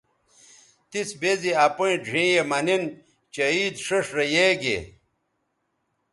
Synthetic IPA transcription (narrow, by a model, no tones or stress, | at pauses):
t̪isbeziɐpuĩɖʱĩːjemɐnin | t͡ɕɐiːd̪ʂɐʂɾɐjeːɡḛ